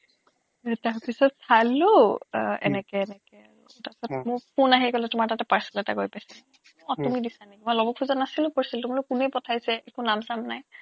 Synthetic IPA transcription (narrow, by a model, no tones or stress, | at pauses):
taɹpisɔtsalu | ɛ̰nɛkɛːnɛkɛ | tapisɔtmʊɹpʰunaɦikɔlɛtʊmaɹtatɛpaɹsi̥lɛta̰ɡojpajsin | ɔtumidisanekimɔjlɔbɔkʰuzɔnːasilʊ̃poɹisiltumalukunejpɔtʰajsɛʔekunamsamnaj